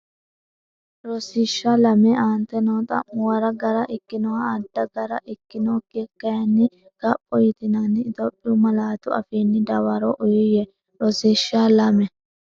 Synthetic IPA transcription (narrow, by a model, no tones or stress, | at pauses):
ɾɔsɪʃːalɐmɛaːnt̪ɛnoːt̪ʼɐ̰mʊwɐɾɐɡɐɾɐʔɪkːɪnɔwaːd̪ːɐɡɐɾɐʔɪkːɪnoːkekːɐjɐnːɪ | ɡ̥ɐpʼːɔjɪt̪ɪnɐnːɪːt̪ɔpʼːɪʊmɐlaːt̪ʊɐ̰fiːnːɪd̪ɐwɐɾoʔʊjʊjɛ | ɾɔsiʃːaːlɐmɛ